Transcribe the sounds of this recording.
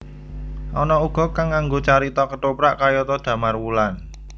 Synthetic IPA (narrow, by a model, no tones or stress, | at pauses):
ʔɔnɔuɡ̥ɔ̤kaŋːaŋɡot͡ʃaɾit̪ɔkəʈopɾaʔkajɔt̪ɔd̪̥ä̤marwulan